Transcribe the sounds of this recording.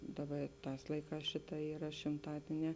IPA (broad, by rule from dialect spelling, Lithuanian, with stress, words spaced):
ˈdɑːˌbɐ ɪ ˈtɑːs ˈlˠɐɪˌkɑːs ˈʃʲɪˌtɑː ˈiːrɐ ʃʲɪmˈtɑːdʲiɛˌnʲɛː